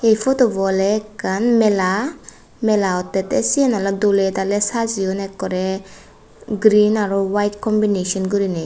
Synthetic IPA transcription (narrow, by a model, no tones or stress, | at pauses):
ejpʰotobɔlɛkːanmɛla | mɛlaɔt̪ːɛt̪ɛsianaladolet̪alɛsaziɔnɛkːɔɾɛ | ɡɾinaɾɔwajtkɔmbinesɔnɡɔɾine